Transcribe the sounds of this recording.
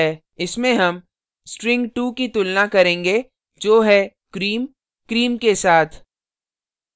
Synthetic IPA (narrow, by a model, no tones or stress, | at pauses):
ɛː | ɪsmẽɦɐm | sʈɾɪ̃ŋɡʈuːkit̪ʊlnakɐɾẽːŋɡe | d͡ʒoːɦɛ | kɾiːm | kɾiːmkesaːt̪ʰ